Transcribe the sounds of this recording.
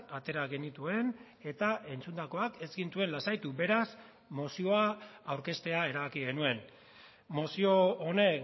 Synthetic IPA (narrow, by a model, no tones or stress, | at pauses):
at̪e̞ɾaɣe̞nit̪ue̞n | e̞t̪aʔe̞nt͡sund̪ako̞ake̞zɡint̪ue̞nlasajt̪ube̞ɾas | mo̞sio̞aːwɾke̞st̪e̞ae̞ɾaβakiɣe̞nue̞n | mosio̞one̞